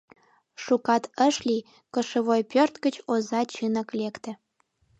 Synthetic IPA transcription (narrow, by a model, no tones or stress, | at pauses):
ʃukɑt̪əʃlʲi | kəʃə̆βojpørt̪ɡət͡ɕozɑt͡ɕɨnə̆klekt̪ə̆